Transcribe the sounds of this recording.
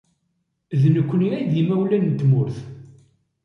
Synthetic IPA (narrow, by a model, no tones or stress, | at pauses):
ðnəkʷːəniæjd̪imæwlænt̪ːmʊɾθ